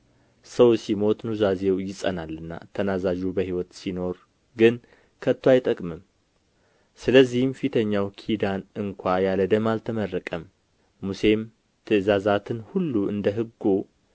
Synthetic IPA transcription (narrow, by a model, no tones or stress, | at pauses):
səwsimo̞t̪ʼnuzazewjɪsʼə̰nalːɨnːa̰t̪ʰənazaʒubəhiwɔt̪sino̞ɾ | ɡɨn | kʰət̪ʰːwajt̪ʼəkʼmɨm | sɨləzːihɨmfit̪ʰəɲːawkʰid̪anɨŋkʷʰajaləd̪əmalt̪ʰəmərːəkʼəmː | use̞m | t̪ʰɨʔɨzazat̪ʰɨnhulːuʔɨ̰nd̪əɦɨɡːo